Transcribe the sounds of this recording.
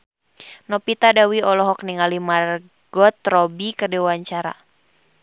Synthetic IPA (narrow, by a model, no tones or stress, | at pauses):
nɔpit̪adawiɔlɔɦɔk̚niŋalimar | ɡ̥ɔt̪rɔbikərdɛwaɲt͡ʃaɾa̰